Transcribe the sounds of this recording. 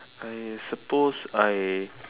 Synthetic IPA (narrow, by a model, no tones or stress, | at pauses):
ajsəposaj